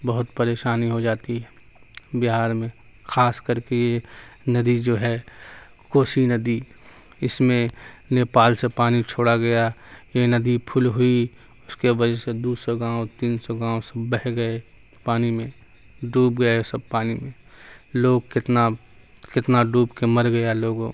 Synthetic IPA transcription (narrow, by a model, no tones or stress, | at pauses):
bɐɦʊt̪pəɾeːʃaːniɦod͡ʒaːt̪iɦɛː | bɪɦaːɾmẽ | xaːskəɾkejenɐd̪id͡ʒoːɦɛ | koːʃinɐd̪i | ɪsmẽneːpaːlsepaːnit͡ʃʰoːɽaɡɐjajenɐd̪ipʰʊlɦʊi | ʊskewəd͡ʒɛsed̪uːsɔɡãːõt̪iːnsɔɡãːõsɐbəɦɡɐe | paːnimẽ | ɖuːbɡɐjasɐb̚paːnimẽloːɡkɪt̪na | kɪt̪naɖuːbkeməɾɡɐjaloːɡõː